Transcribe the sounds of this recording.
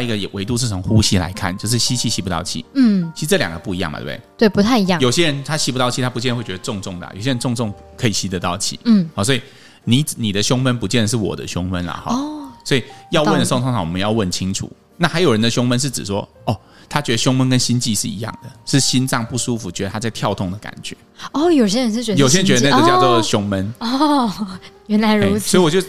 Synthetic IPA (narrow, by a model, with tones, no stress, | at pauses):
i˧ɡə˧˨ɛ˨˩wʔe˧˥ɪt̪u˥˧ʂ̬̩˥˩˧xu˥ɕi˥la̰˧˥ɪkʰa̰˥˩nt͡ɕjo˥˧ʊʂ̬ɻ̩˥˩ɕi˥t͡ɕʰi˥˧˩ɕi˥pu˧t̪ɑ˥˧ʊt͡ɕʰḭ˥˩˥t͡ɕʰi˧˥ʂɻ̩˧ʈ͡ʂɤ˥˩ljɑ̰˨˩ɡə˦pu˥˩i˧˦jɑ˥˩m̰˨˩t̪t̪we˥˩ɪpu˧t̪ʰa˥˩ɪi˧˦˥jɑ˥˨jo˨˩ʊɕjɛ˦˥ɻə˧˦nt̪ʰa˥ɕi˧˥pu˧t̪ɑ˥˧ʊt͡ɕʰi˥˧˩a˥pu˧˥t͡ɕjɛ˥˧nə˧we˥˩t͡ɕɛ˧˥d̪ə˧ʈ͡ʂʊ˥˧ŋʈ͡ʂʊ˥˩ŋd̪ə̰˩jo̰˨ʊɕjɛ˦˥ɻə˧˦nʈ͡ʂʊ˥˧ŋʈ͡ʂʊ˥˩ŋ | kʰɤ˧˥i˨˩ɕi˧˥t̪ə˧t̪ɑ˥˩ʊt͡ɕʰḭ˥˩˥hɑ˧˩swɔ˧˥i˨˩ | ni˨˥ni˨˩d̪ə˦ɕʊ˥ŋwə˦˥npu˧˥t͡ɕjɛ˥˩nd̪ə˩ʂ̬ɻ̩˥˩wɔ̰˨˩d̪ə̰˦ɕjʊ˥ŋwə˦nlɐ̰˨xɑ̰˧˦swɔ˧˥i˨˩jɑ˥˧wə˥nə˨˩so˥˧ŋt̪ʰŋt̪ʰɑ˨˩wɔ˨˩mə˦jɑ˥˧ʊwə˥˩nt͡ɕʰi˦˥ŋʈ͡ʂʰṵ˨˩˦ | na˥˩xa˧˥ɪjo˨˩ʊɻə˧˦nd̪ə˧ɕʊ˥ŋmə˦nʂ̬ɻ̩˥˩ʈ͡ʂɻ̩˨˩ʂwɔ̰˦ɔ˥˩ | t̪ʰa˥t͡ɕɥɛ˧˥d̪ə˧ɕjʊ˥ŋmwə˥˦nkə˦nɕi˦˥nt͡ɕi˥˧ʂɻ̩˥˩ḭ˧˥jɑ̰˥˩ŋd̪ə˩ʂɻ̩˥˩ɕi˦˥nt͡sɑ˥˧ŋpu˥˩ʂu˦fu˨˩t͡ɕɥɛ˧d̪ə˧t̪ʰa˥a˥˧ɪt̪ʰjɑ˥˧ʊt̪ʰʊ˥˩ŋd̪ə˩ka̰˨˩nt͡ɕɥɛ̰˧˦ɔ˥˩jo˨˩ʊɕ̬jɛ˥ɻə˧nʂɻ̩˥˩t͡ɕɛ˧˥jo˨ʊɕjnt͡ɕɥɛ˧˥ə˧n˥˧˥t͡ɕjt͡swɔ˥˨ɕʊ˦˥ŋmə˦n˥ | jɛ˧˥nla˧˥ɪe˥˩˧sɔ˧˥i˨wɔ˨˩t͡ɕo˥˩